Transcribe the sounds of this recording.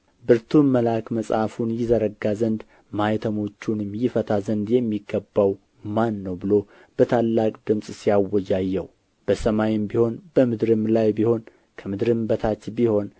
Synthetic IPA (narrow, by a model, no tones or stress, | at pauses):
bɨɾt̪ʰunməlakməsʼafunjɪzəɾəɡazənd̪ | majt̪ʰəmo̞t͡ʃːunɨmjɪfət̪ʰazənd̪jɛmːiɡːəbːaw | manːəwbɨlo̞ | b̥ət̪ʰalːakʼd̪ɨmsʼsijawːɔjajːɛw | b̥əsəmajɪmbiho̞nbəmɨd̪ɾɨmlajbiho̞n | kʰəmɨd̪ɾɨmbət̪ʰat͡ʃ̪biho̞n